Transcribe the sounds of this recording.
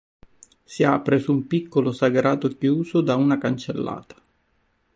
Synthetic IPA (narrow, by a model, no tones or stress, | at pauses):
siapɾesumpikːolosaɡɾaːt̪okjuːsod̪aunakant͡ʃelːa̰ːt̪ḁ